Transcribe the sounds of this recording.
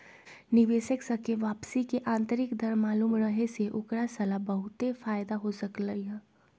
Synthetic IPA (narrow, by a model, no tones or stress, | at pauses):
nɪʋeːʃəksɐkeʋaːpsikeʔãːnt̪əɾɪkd̪ʱɐɾmaːluːmɾəɦeseʔʊkɾasɐlabɐɦʊt̪efaːjd̪aɦosɐkləiɦɛː